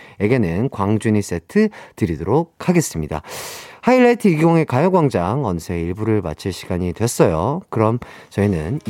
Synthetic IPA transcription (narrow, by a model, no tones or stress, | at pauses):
jeɡe̞nɯnkwaŋd͡ʑuɲis͈e̞tʰɯtɯɾidoɾok̚ʰhaɡe̞s͈ɯmɲida̰haiɭːetʰɯiɡiɡoŋe̞kajʌɡwaŋd͡ʑaŋʌnsʰe̞iɭbuɾɯɭma̰t͡ɕʰiɭɕʰiɡ̥aɲidwes͈ʌjokɯɾʌmt͡ɕʌinɯn